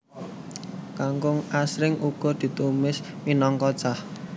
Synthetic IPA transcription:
kaŋkʊŋasɾɪŋʔuɡ̥ɔ̤d̪̥i̤t̪umɪs | minɔŋkɔd̥ʒ̥ah

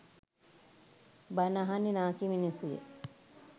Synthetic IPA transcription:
banaɦaninaːkiminisujḛ

